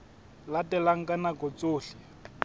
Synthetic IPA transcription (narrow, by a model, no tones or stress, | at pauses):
latʼɛlaŋ̩kʼanakɔt͡sʼoːɬɪ